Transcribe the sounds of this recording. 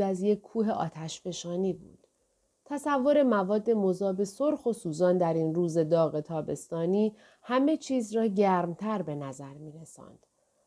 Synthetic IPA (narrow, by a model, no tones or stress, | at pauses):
æzje̞cʰːuːɦe̞ʔɒ̰ːt̪ʰæʃfe̞ʃɒːniːbṵːd̪̥ | t̪ʰæsævːo̞ɾe̞mævɒːd̪ːe̞mo̞zɒːbe̞so̞ɾxo̞suːzɒːnd̪æɾinruːze̞d̪ɒːɣe̞t̪ʰɒːbe̞st̪ɒːniː | hæme̞t͡ʃʰiːzrɒːɟæːɾmt̪ʰæɾbe̞næzæɾmiːɾesɒ̰ːnd̪̥